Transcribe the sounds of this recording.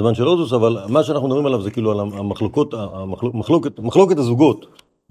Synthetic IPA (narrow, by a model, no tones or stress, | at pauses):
zmanʃelozus̬avalmaʃeanaχnud̪abʁimelavzekiːlualaamaχlokot̪amaχlomaχlo̞ketmaχlo̞ketazuɡo̞t̪